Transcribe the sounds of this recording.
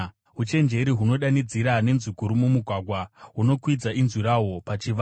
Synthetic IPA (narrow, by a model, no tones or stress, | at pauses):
ɦut͡ʃe̞nd͡ʒe̞ɾiɦuno̞ɗanid͡ziɾane̞nzikuɾumumuɡʱwaɡʱwaɦuno̞kwid͡zaʔinzwiɾaɦo̞pat͡ʃiʋa